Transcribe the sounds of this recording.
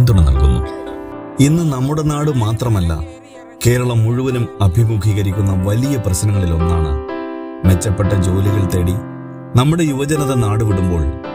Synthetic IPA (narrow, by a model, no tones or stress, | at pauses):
nd̪uɳːɨnɐ̰lkṵnːṵ | inːɨnɐmːuɽe̞naːɽɨmaːt̪rɐmɐlːɐ̰ | ke̞ːɾɐɭɐmːuɻuʋɐnumɐbʱimuːkʰiːɣɐɾikʲːunːɐʋɐlijɐprɐɕnɐŋːɐɭilo̞nːa̰ːɳɨ | ʋe̞t͡ɕːɐpːe̞ʈːɐd͡ʑo̞ːliɣɐɭt̪ɐɽi | nɐmːuɽe̞juʋɐd͡ʑɐnɐðɐnaːɽuʋiɽumbo̞ːɭ